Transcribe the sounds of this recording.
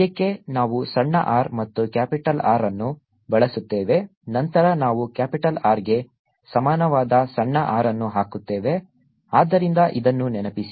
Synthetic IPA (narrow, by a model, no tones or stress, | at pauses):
ɐkːe̞naːʋusɐɳːɐ̰ʔaːɾmɐt̪ːukjaːpiʈɐla̰ːɾɐnːu | bɐɭɐsut̪ːe̞ːʋe̞ | nɐnt̪ɐɾɐnaːʋukaːpiʈɐlaːɾɡe̞ | sɐmaːnɐʋaːd̪ɐsɐɳːɐʔaːɾɐnːuɦaːkut̪ːe̞ːʋe̞ | aːd̪ːɐɾind̪ɐʔid̪ɐnːunɛnɐpisi